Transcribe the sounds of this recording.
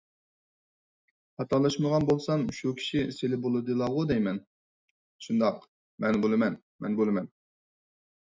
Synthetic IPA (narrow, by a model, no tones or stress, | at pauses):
hɑt̪ʰɑlˠɑʃməʁɑnbolˠsɑŋʃukʲʰi̥ʃiselɪbolˠɨd̪ɨlˠɑʁʊd̪ɛjmɛn | ʃund̪ɑq | mɛnbolˠɨmɛn | mɛ̰nbolˠɨmɛn